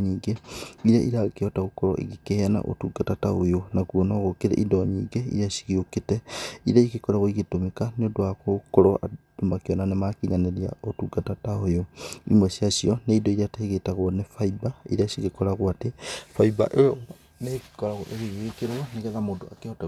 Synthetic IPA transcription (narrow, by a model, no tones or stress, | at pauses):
ɲiːɡeiɾaʔiɾakeɔtaɣokɔɾɔ̰ʔḭɣikehana̰ʔo̰tuɡatataojonakuɔnɔɣokeɾḛʔidɔɲiːɡeḭɾiasi̥ɣioketɛiɾaiɣekɔɾaɣoiɣitomekaneodoakokoɾɔʔa̰domakeɔnanemakiɲaneɾia̰otuɡatataojoḭmwɛsiasiɔneidoiɾateɣetaɣwɔnefaibaiɾasiɣekɔɾaɣoatefaiba̰ʔe | nekikɔɾaɣoʔeɣeβeekeɾwaneɣɛðamodoa̰keɔta